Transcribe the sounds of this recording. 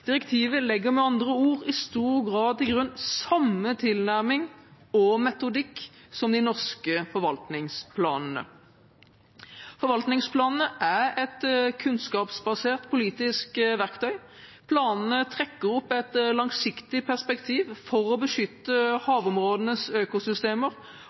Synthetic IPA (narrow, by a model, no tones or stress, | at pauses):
d̪̥ɪʁɛkt̪ʰiːʋəlɛɡːəmɛɑnd̪ʁəuːʁɪst̪uːʁɡʁɑːd̪ɪɡʁʉnsɑmːət̪ʰɪlnæʁmɪŋ | ɔmɛt̪ʊd̪ɪkːsɔmd̪ɪnɔʁskəfɔʁʋɑlt̪nɪŋspʰlɑ̰ːnn̩ə̰ | fɔɾʋɑlt̪nɪŋspʰlɑːnən̩əʔæʁɛt̪kʰʉnskɑːpsbɑseːʁt̪pʰʊliːt̪ɪskʋæʁkt̪ʰœʏ | pʰlɑːnn̩ət̪ʰʁɛkːəʁɔpːɛt̪lɑŋsɪkt̪ɪpʰæʁspɛkt̪ʰiːʋfɔʁɔbəʃʏt̪ːəhɑːʋʊmʁoːd̪ənəsøːkʊsʏst̪eːməʁ